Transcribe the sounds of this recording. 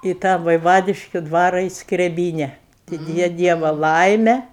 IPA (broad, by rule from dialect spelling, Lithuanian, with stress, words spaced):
iː ˈtɑː ʋɐɪˈʋɑːdʲɪʃʲkʲʊ ˈdʋɑːrɐ iː skrʲɛˈbʲiːnʲɛ tʲɪk ˈjɛ ˈdʲiɛʋɐ ˈlˠɐɪmʲɛ